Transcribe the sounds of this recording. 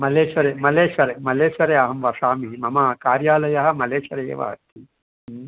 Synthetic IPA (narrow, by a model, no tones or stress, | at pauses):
mɐleːʃʋɐɾeːmɐleːʃʋɐɾemɐleːʃʋɐɾeɐɦɐmʋɐsaːmiɦimɐmɐːkaːɾjaːlɐjɐɦɐ̆mɐleːʃʋɐɾeḛːʋɐ̰ɦɐ̰t̪i